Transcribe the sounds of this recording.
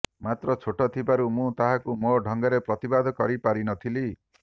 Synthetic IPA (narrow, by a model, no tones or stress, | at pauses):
mat̪ɾɔt͡ʃʰoʈɔt̪ʰibaɾumũt̪aɦakumoɖʱɔŋɡaɾepɾɔt̪ibad̪ʱɔkɔɾipaɾinɔt̪ʰili